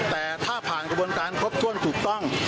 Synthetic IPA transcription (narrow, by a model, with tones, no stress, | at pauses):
t̪ɛː˨˩t̪ʰaː˥˩pʰaː˨˩nkɾa˧bu˧ənkaː˧nkʰɾo˦˥p̚t̪ʰu˧ənt̪ʰuː˨˩k̚t̪ɔ˥˩ŋ